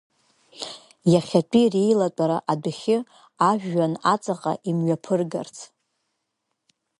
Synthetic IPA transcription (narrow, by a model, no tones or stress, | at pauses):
jaχʲat͡pʷʼirejlatʷʼaɾaʔadɨχʲɪ | aʒᶣːanat͡sʼaqʼa̰ʔimɥapʰɨrɡa̰rt͡sʰ